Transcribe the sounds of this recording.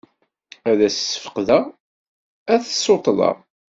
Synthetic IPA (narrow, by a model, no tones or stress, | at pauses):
æðæsə̥sːə̥fə̥qðæ | æθəsot̪ˤlɑ̰ʁˤ